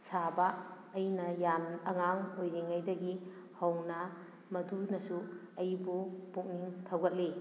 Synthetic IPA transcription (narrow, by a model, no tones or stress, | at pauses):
sabaː | jnɐjamɐŋaŋojɾiŋajdɐɡi | hɐwnɐ | mɐdunɐsu | ɐjbubuk̚niŋtʰawɡɐt̚li